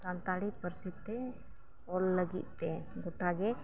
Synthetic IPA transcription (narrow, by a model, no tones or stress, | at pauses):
sãnt̪aɽipəɾsit̪ːe | ɔlːəɡḭt̪ːeɡoʈaɡe